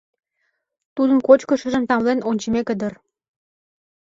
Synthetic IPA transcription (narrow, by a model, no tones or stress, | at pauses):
t̪ud̪ənkot͡ɕkə̆ʃə̆ʒə̆mt̪ɑmlenonʲt͡ɕəmekəd̪ər